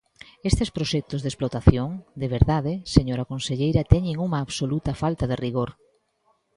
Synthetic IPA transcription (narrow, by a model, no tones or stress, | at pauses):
est̪espɾoʃɛk̚t̪ozðesplot̪aθjoŋd̪eβ̞eɾðaðɪseɲoɾakonseʎejɾɐt̪ɛɲɪŋuŋaːβsolut̪ɐfalt̪aðɪriɣoɾ